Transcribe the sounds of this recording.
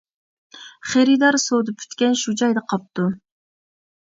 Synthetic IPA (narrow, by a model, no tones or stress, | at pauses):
χeɾid̪ɑɾsod̪up̚kʰʲy̥t̪kʲɛnʃud͡ʒɑjd̪ɑqʰɑp̚t̪u